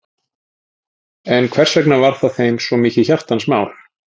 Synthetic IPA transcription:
ɛnkʰvɛr̥svɛknavaɾ̥θaðθejmsvɔmiːcɪçar̥t̪ansmaːwl̥

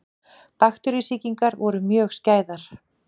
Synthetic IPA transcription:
paxt̪ʏɾisiciŋkaɾvɔɾʏmjœːxscaːjðaɾ̥

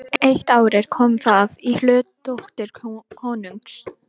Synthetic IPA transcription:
ejht̪aːwɾɪɾ̥kʰɔmθavihlœːt̪t̪oht̪ɪɾ̥kʰɔːnuŋks

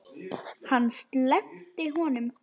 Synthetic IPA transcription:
hanːst̪lɛft̪ɪɦɔnʏm

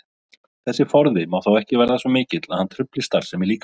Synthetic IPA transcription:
θɛsːɪfɔɾðɪmaːwθawɛhcɪvɛɾðasɔmɪːcɪt̪la̰ðhant̪ʰɾʏplɪst̪aɾ̥sɛmɪliːk

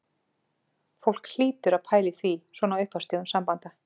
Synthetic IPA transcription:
fowl̥kl̥iːt̪ʏɾaðpʰaːjlɪθviswɔːnaʏɥhpvawst̪ɪɣʏmsampant̪a

